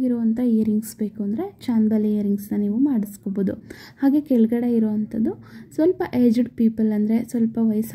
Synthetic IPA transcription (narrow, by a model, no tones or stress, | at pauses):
ɡiɾoːɐnt̪ʰɐejɾiŋɡsbe̞ːkuɐnd̪ɐɾe̞t͡ʃaːnbɐliejɐɾiŋɡsnɐniːʋumaːɽiskoboːd̪u | haːɡe̞kɛɭuɡɐɽe̞iɾoːɐnt̪ʰɐd̪usʋɐlpɐʔeːd͡ʒiɖpiːpɐlɐnd̪ɐɾe̞sʋɐlpɐʋɐjs